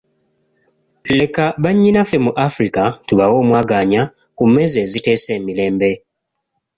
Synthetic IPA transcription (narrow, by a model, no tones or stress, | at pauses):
le̞kaβaɲːinafe̞muʔafɾikatuβawo̞ːmwaːɡaːɲa | kume̞ːze̞ːzite̞ːse̞ːmile̞ːmbe̞